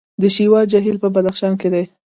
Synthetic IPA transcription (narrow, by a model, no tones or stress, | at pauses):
d̪əʃiwɑd͡ʒaɦilpəbad̪axʃɑnked̪aj